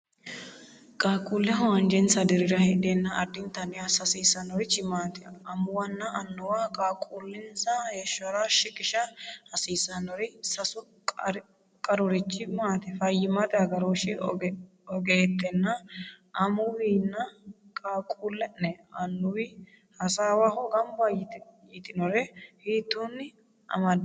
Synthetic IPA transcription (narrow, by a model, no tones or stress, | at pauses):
kʼaːkʼuːlːɛɦɔwɐnd͡ʒɛnsɐd̪ɪɾɪɾɐhɛd̪eːnːɐʔɐd̪ːɪnt̪ɐnɪjɐsɐsiːsɐnɔɾɪt͡ʃːɪmaːt̪ɪɐmʊwɐnːɐɐnːʊwakʼaːkʼuːlːɪnsɐheːʃɔɾaʃɪkʼɪʃɐhɐsiːsɐnɔɾɪsɐsʊ | kʼɾ | kʼɐɾʊɾɪt͡ʃːɪmaːt̪ɪfɐjːɪmɐt̪ɪɐɡɐɾoːʃɪ | ɔɡeːt̪ːɛnːɐʔɐmʊwinːɐkʼaːkʼuːlːɛʔɛɐnːʊwɪ | hɐsaːwahɔɡɐmbɐjɪt̪jɪt̪ʼɪnɔɾɛhiːt̪ːunːɪ | ʔɐ̰mɐd̪